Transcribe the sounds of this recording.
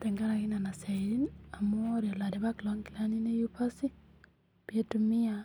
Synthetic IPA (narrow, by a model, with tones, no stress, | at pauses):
tɛ˨ŋɡa˦ɾaki˦na˨na˨sɛ˨ɾina˨mu˦ɾjɔ˨la˨de˨βa˦klɔ˦ŋɡi˨la˦ni˦ne˦ju˦pa˦si˦ | b̥e˦tumi˦a